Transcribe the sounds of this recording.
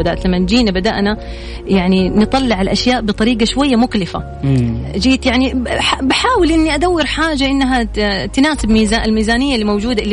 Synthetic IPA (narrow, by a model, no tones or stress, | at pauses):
d̪aʔt̪lamːand͡ʒiːnabad̪a̰ʔna | jaʕninɨt̪ˤɑlːɪʕalʔaʃjaːʔbɨt̪ˤɑɾiːɡaʃwajːamʊklɪfa̰ | d͡ʒiːt̪jaʕniabaħaːwɪlʔɪnːiʔad̪awːɪɾħaːd͡ʒaʔɪnːaɦat̪naːsɪbmiːzaɪlmiːzaːnɪjːalːimawd͡ʒuːd̪a